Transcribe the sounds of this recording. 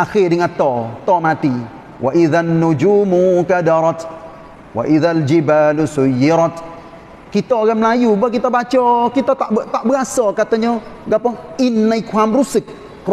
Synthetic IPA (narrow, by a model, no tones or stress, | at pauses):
axediŋatɔːtɔːmati | wʔa̰ʔiðanːud͡ʒumukadaɾɔt | wa̰ʔiðald͡ʒibaːlusujːiɾɔt | kitɔːɡɛm̩lajubɔk̬itɔbat͡ʃɔkitɔttabikasɔkatɔɲoɡapɔŋinːaikʷamɾusik̚